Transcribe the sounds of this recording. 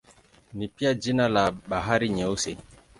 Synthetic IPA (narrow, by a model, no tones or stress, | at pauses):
nipiad͡ʒinalaɓaɦaɾiɲɛuse